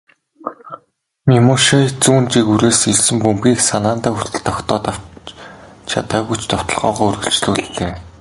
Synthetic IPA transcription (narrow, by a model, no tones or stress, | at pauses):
mʲimoʃat͡suːnt͡ɕikuɾeːsiɮsɘ̆mpɵmpiːksanaːnt̪aːxur̥t̪ɘ̆ɮt̪ɔkt̪ɔːt̪a | t͡ɕʰa̰t̪aːɣujʰt͡ɕt̪ʰɔ̥t̪ɞ̆ɮʁɔ̰ːʁɔːɵrɣɵ̆ɬt͡ɕɮuːɮt̪eː